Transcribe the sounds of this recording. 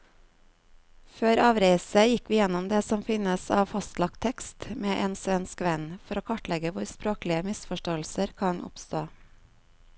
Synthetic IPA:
føːɾɑːʋɾeɪsəjɪkʋiːjɛnɔmd̪eːsɔmfɪnəsɑ̰ːʋfɑst̪lɑk̚t̪ʰɛkst̪meːʔeːnsʋɛnskʋɛnfɔɾoːkʰɑʈlɛɡəʋʊɾspɾoːklɪəmɪsfɔʃʈoːl̩səɾkʰɑnʔʊ̰pst̪oː

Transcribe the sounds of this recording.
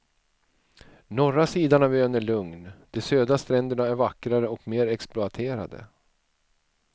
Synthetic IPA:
nɔɾasiːd̪aɳavøːnæɭɵŋnd̪̥ɛsøːd̪ast̪ɾɛnd̪əɳaæɾvakːɾaɾəɔkmeːɾɛksplʊat̪ʰeːɾa̰d̪ə̰

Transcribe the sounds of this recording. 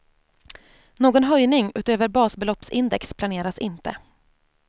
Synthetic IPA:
noːɡɔnɦœjnɪŋʉ̟ːt̪øːvəɾbɑːsbɛlɔpsɪnd̪ɛkspʰlaneːɾasɪnt̪ə̰

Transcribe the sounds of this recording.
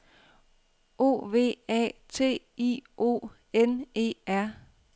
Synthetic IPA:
ʔo̝̰ːʋe̝̰ːɛ̰ːt͡sʰe̝̰ː | iʔo̝̰ː | ene̝̰ːæɐ̰

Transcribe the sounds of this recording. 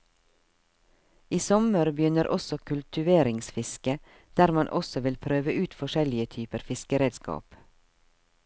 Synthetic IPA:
iːsɔməɾbəjʏnəɾʔɔsɔkʰʉlt̪ʏʋeːɾɪŋsfɪskə | d̪̥æːɾmɑnʔɔsɔʋɪlpʰɾøːʋəʔʉːt̪fɔʃɛlɪət̪ʰyːpəɾfɪskəɾeːd̪skɑ̰ːp

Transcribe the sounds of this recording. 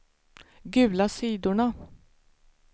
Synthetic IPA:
ɡʉ̟ːlasiːd̪ʊɳa

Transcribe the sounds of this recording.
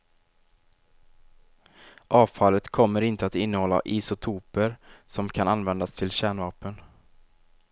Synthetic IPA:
ʔɑːvfalːət̪kʰɔmːəɾɪnt̪əat̪ɪnːəhɔlːa̰ʔiːsʊt̪ʰuːpəɾsɔmkʰananvɛnd̪ast̪ʰɪlɕæːɳvɑːpən

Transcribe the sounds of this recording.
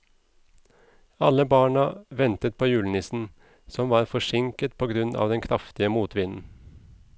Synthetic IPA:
ɑləbɑːɳɑʋɛnt̪ət̪̚pʰoːjʉːlnɪsn̩ | sɔmʋɑːɾfɔʃɪŋkət̪̚pʰoːɡɾʉnʔɑ̰ːʋd̪ɛnkʰɾɑft̪ɪəmuːt̪ʋɪnn̩

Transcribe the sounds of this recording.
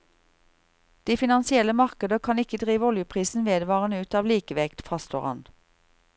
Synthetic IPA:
d̪̥iːfɪnɑnsɪɛləmɑʁkəd̪əkʰɑnɪkəd̪ʁiːʋɔljʊpʰʁiːsn̩ʋeːd̪ʋɑːʁənəʉːt̪ɑːʋliːkəʋɛkt̪fʁɑst̪oːʁɑ̰n

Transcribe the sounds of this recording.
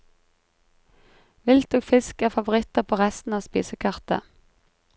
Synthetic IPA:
ʋɪlt̪oːɡfɪskæːʁfɑʋʊʁɪt̪əpʰoːʁɛst̪n̩ɑːʋspḭːsəkʰɑʁt̪ə̰

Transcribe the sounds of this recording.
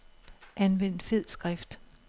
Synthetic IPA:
ʔænʋen̰d̥fe̝ð̰ˠsɡ̥ʁɛfd̥

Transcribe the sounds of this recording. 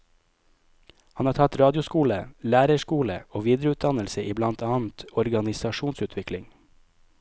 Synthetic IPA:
hɑnhɑːɾtʰɑt̪ɾɑːd̪ɪʊskuːləlæːɾəʃkuːlə̰oːʋiːd̪ɾəʉːt̪̚d̪ɑnəlsəʔiːblɑnt̪ʰɑːn̩t̪ɔɾɡɑnɪsɑʃuːnsʉːt̪ʰʋɪklɪŋ

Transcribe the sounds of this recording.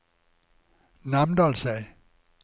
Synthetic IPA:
namdɔlsaj

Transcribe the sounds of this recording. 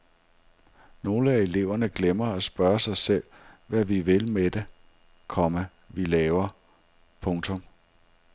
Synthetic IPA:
no̝ːləæe̝le̝ʊ̰ɐnəɡ̥lemɐæsb̥ɶɐsɑ̈ɪsel̰ʋæʋiʋe̝lmed̥e | kʰɒ̽mə | ʋilɛːʊɐ | pʰɔ̽ŋt͡sʰɔ̽m

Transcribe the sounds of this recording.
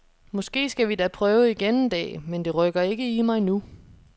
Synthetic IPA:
mɒ̽sɡ̥e̝̰ːsɡ̥æʋid̥æpʰʁœːʊiɡ̥end̥ɛ̰ːmend̥e̝ʁœɡ̥ɐe̝ɡ̥əimɑ̈ɪnu

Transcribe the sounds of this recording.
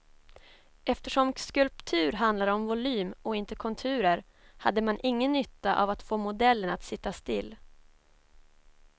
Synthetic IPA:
ɛft̪əʂɔmskɵlpt̪ʰʉ̟ːɾɦand̪laɾɔmvʊlyːmɔɪnt̪əkʰɔnt̪ʰʉ̟ːɾəɾ | had̪ːəmanʔɪŋːənːʏt̪ːaʔa̰vat̪foːmʊd̪ɛlːənat̪sɪt̪ːast̪ɪlː

